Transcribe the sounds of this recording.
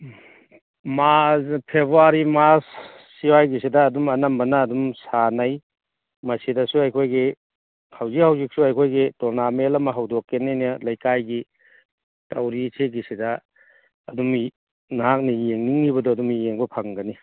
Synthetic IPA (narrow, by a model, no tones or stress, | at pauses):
maspʰebuaɾimasː | iwajɡis̬idɐːdumɐnɐmbɐnɐːdumsanɐj | mɐsidɐsuɐjkʰojɡi | hawzik̚hawzik̚suɐjkʰojɡitoɾnamelɐmɐɦɐwdokːenenɐlɐjkajɡi | tɐwɾisʰeɡisidɐː | dum | naɦak̚nɐjeŋniŋːibɐdɔɐdumjeŋbɐpʰaŋɡɐni